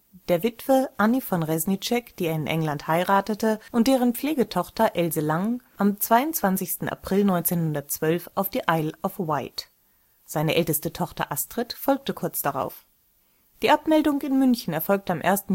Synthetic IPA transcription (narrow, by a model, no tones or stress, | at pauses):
d̥eːɐvɪtv̥əʔanifɔnʁɛznit͡ʃɛkd̥iːeːɐɪnʔɛ̰ŋlanthaɪʁaːtətəʔʊnt̚d̥eːʁ̞ənpp͡fleːɡətʰɔχtɐʔɛlzəlaŋʔamt͡sv̥aɪʊnt͡sv̥ant͡sɪçstn̩ʔa̰pʁ̥ɪlnɔʏnt͡seːnhʊndɐt̚t͡sv̥œlfaʊfd̥iːʔaɪlʔɔfwaɪt | z̥aɪnəʔɛltəstətʰɔχtɐ̰ʔastʁ̥ɛtfɔlk̚təkʰʊɐt͡sd̥aʁa̰ʊf | d̥iːʔapmɛldʊŋɪnmʏnçn̩ɛɐfɔlk̚təamʔḛːɐstn̩